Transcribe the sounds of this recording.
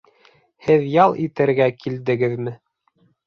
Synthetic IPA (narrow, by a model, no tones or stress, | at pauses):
hɘðjɑlˠʔit̪ɘ̆ɾɡækild̪ɘ̆ɡɘðmɘ